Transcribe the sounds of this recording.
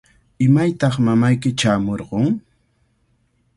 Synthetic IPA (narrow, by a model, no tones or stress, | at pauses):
ɪmajt̪ɑχmamajkɪt͡ʃaːmoɾɢoŋ